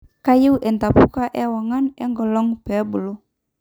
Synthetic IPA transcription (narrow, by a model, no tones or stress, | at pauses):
kajuwʔɛnt̪apukaʔɛwaŋanɛŋɡɔlɔŋpɛbulu